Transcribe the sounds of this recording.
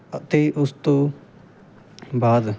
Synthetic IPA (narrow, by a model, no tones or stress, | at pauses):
ət̪eːʔʊst̪õː | baːd̪